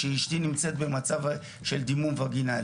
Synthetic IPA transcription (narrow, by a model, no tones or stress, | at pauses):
eiʃtinimt͡se̞t̪̚be̞mat͡sav | ʃe̞ld̪imunvaɡinal